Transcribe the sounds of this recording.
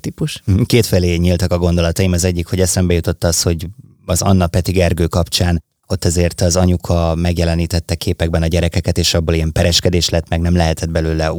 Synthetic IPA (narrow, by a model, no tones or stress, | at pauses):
t̪ipuʃkeːt̪fɛleːɲilt̪ɒkɒɡo̞nd̪o̞lɒt̪ɒjimɒzɛɟːikho̞ɟɛsɛmbɛjut̪ot̪ːɒsho̞ɟ | ɒzɒnːɒpɛt̪iɡɛrɡøːkɒpt͡ʃaːn | o̞t̪ːɛzeːrt̪ɒzɒɲukʰɒmɛɡjɛlɛniːt̪ɛt̪ːɛkʰeːpɛɡ̚bɛnɒɟɛɾɛkɛkɛt̪eːʃɒbːolijɛmpɛɾɛʃkɛd̪eːʃlɛt̪ːmɛɡnɛmlɛɦɛt̪ɛd̪̚bɛløːlɛ